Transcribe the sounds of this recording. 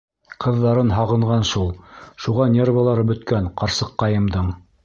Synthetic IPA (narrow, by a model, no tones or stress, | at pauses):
qɤ̆ðːɑɾɤnɦɑʁɤ̆ɴʁɑnʃulˠʃuʁɑnʲe̞rvalˠɑɾɤbɵ̆t̪kænqɑɾsɤqːɑjɤ̆md̪ɤɴ